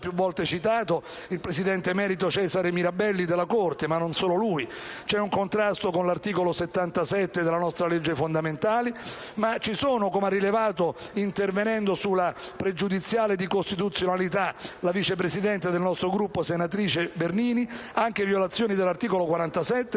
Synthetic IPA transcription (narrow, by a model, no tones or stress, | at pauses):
pːjuvːɔlt̪et͡ʃit̪aːt̪o | ilpɾesid̪ɛnt̪emɛːɾit̪ot͡ʃɛːzaɾemiɾabɛlːid̪elːakort̪emanːonsoːloluit͡ʃɛuŋkont̪ɾast̪okonlart̪iːkoloset̪ːant̪asɛt̪ːed̪elanɔst̪ɾaled͡ʒːefond̪ament̪aːlimat͡ʃisoːnokomarːilevaːt̪oint̪ervenɛnd̪osulːapɾed͡ʒud̪it̪sːjaːled̪ikost̪it̪̬ut̪sːjonalit̪alavit͡ʃep̬ɾesid̪ɛnt̪ed̪elnɔst̪ɾoɡɾupːosenat̪ɾiːt͡ʃeberniːniaŋk̟evjolat̪sːjoːnid̪elːart̪iːkolokwaɾant̪asɛt̪ːe